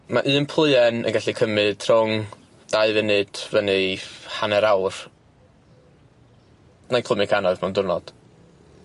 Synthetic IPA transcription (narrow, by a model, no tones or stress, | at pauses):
maʔɨːnpʰlˠɨɛnə̰nɡaɬikʰəmɨd̥ʰrʊŋ | d̥aɨvɨnɨd̥vənɨhanɛɾawr | najkʰl̥ˠəmɪkʰanɔðmɛwndʊrnɔ̰d̥